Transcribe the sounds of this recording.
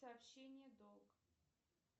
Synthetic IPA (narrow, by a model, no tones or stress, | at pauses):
saːpɕenʲɪjəd̪olˠɡ